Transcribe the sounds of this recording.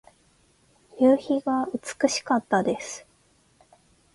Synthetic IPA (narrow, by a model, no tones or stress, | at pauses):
jɯːçiɡaɯ̟t͡sɨ̥kɯ̟ɕi̥kat̪ːad̪e̞sɨ̥